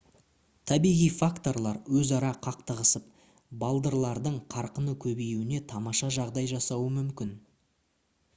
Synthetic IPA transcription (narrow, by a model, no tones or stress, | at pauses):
t̪ʰæbijʁijfakt̪o̞rlˠɑɾwɵzɑɾɑqʰɑqt̪əʁəsəp̚ | bɑlˠd̪əɾlˠɑɾd̪əɴqʰɑɾqənəkʲʰɵbejwɪne̞t̪ʰɑmɑʃɑʒɑʁd̪ɑjʒɑsɑwəmʏmkʲɪn